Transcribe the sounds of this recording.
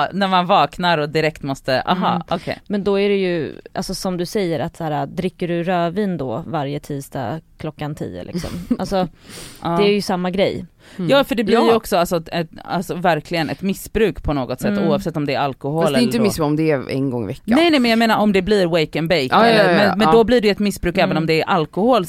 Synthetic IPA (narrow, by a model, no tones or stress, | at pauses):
næɾmanvɑːknaɾɔd̪ɪɾɛkt̪mɔst̪əʔa̰ɦɑːɔkʰḛjmɛnd̪ɔæɾɛjɵʔa̰lsɔsɔmd̪ɵsɛjːəɾat̪sæːɾad̪ɾɪkːəɖɵɾœːviːnd̪ɔvaɾjət̪ʰiːd̪st̪ɑ̰kʰlɔkːant̪ʰḭːə̰lɪ̰ksɔ̰ma̰lsɔʔɑːd̪ɛæɾjɵsamːaɡɾɛj | jɑːfœɖɛblɪɾjɔksɔalsɔɛa̰lsɔvæɾkʰlɪɡənɛ̰t̪mɪsːbɾʉ̟ːkpʰɔnoːɡɔt̪sɛt̪ːuːavsɛt̪ːɔmd̪ɛæɾalkʊholɛɪəmɪsɔmd̪ɛɛ̰nɡɔ̰ŋːɪ̰vɛkːnːɛjnɛmɛnjaɡmeːnaɾɔmd̪ɛbliɾwɛjkənbɛjkɛlːəɾmɛnmɛnd̪ɔbliːɖɛjɛt̪mɪsbɾʉ̟ːkɛːvənɔmd̪ɛːɾʔalkʊhoːl